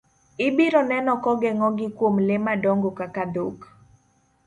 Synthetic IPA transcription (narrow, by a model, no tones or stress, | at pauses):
ɪbiɾɔnɛnɔkɔɡɛŋɔɡɪkwomlemadɔŋɡokakad̪ok